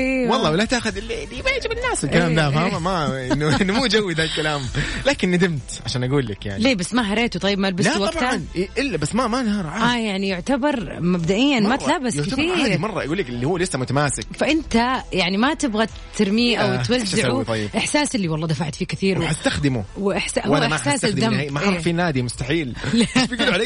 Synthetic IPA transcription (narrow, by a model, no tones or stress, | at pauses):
ʔeːwɑlˤːɑːwɪlat̪aːxʊd̪ʔɪlːiɪlːijbajɪʕd͡ʒɪbɪnːaːsɪlkalaːmd̪amamaʔɪnːʊɪnːmuːd͡ʒawːid̪alkalaːmlaːkɪnːad̪ɪmt̪ʕaʃaːnʔaɡuːlːɪkja̰ʕnleːbasːmaɦɑɾˤeːt̪ut̪ˤɑjːɪbmalbɪlwaaɑnʔɪlːabasːmamanhɑɾˤʕaːajaʕnijʊʕt̪abɑɾˤmabd̪aʔɪjːanmat̪laːbɪsjkɪθiːaːdimɑrˤːɑʔaɡuːlːɪkɪlːihuwːlɪsːamʊt̪amaːsɪkfaʔɪnt̪ajaʕnimat̪ɪbɣat̪ʰːɪɾmiːʔawt̪wazːɪut̪ˤjːʔɪħsaːsʔɪlːiwɑlˤːɑːd̪afaʕt̪fiːkɪθiːɾwħast̪axd̪ɪmuwɪʔɪħsaʔhʊaːaʔɪsaːsad̪amamaˤfiːnaːd̪imʊst̪aħiːllafiɡlʕaleː